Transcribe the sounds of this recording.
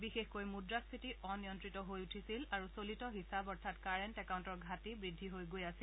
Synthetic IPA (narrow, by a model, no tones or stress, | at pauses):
bixexkojmudɹaspʰitiʔɔnijɔntɹitɔɦojutʰisilaɹusolitɔɦisabɔɹtʰatkaɹɛntɛkawntɔɹɡʱatibɹidʱːiɦojɡojasi